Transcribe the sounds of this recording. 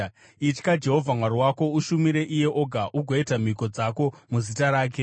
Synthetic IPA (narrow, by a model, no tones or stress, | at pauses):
it͡ʃkad͡ʒe̞ɦo̞vʱamwaɾiwako̞uʃumiɾe̞ʔije̞ʔo̞ɡʱaʔuɡʱoitam̤iko̞d͡zako̞muzitaɾaːk̬e̞